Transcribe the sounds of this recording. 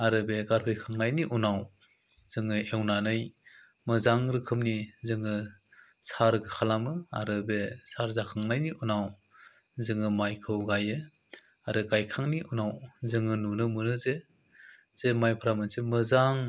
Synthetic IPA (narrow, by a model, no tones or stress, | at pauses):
aɾɯbeɡaɾpʰɯɾikʰaŋnajniʔunaw | z̥ɯŋɯewnanɯj | mɯzaŋɾɯkʰɯmnizɯŋɯ | saɾɡɯkʰalamɯa̰ɾɯbesaɾzakʰaŋnajniunaw | zɯŋɯmajkʰɯwɡajɯ | aɾɯɡajkʰaŋniʔunawzɯŋɯnunɯmɯnɯze | z̥emajpʰɯɾamɯnsemɯzaŋ